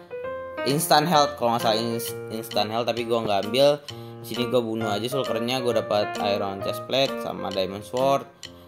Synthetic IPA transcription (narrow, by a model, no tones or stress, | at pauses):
ʔinst̪anɦɛlt̪̚kalɔŋasaliinst̪anɦɛlt̪ːapiɡuaŋɡaːmbɪldisiniɡuabunuad͡ʒas̬ulkərɲaɡuadapat̪a̰jɾɔnt͡ʃɛsplɛk̪̚sa̰ma̰dajmɔnswɔrt̪̚